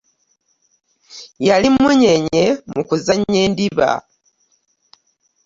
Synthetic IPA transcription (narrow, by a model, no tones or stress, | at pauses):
jalimːuɲeɲe̞mukuzaɲːe̞ːndiβa̰